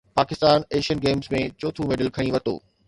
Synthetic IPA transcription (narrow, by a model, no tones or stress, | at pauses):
paːkɪst̪aːneːʃiənɡeːmzmẽt͡ɕoːt̪ʰumeːɖəlkʰɐɽ̃ĩʋɐt̪o̰ː